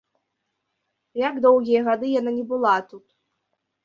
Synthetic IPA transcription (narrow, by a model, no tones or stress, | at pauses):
jaɡd̪ɔwɣʲijɛɣad̪ɨjananʲɛbɨlˠat̪ut̪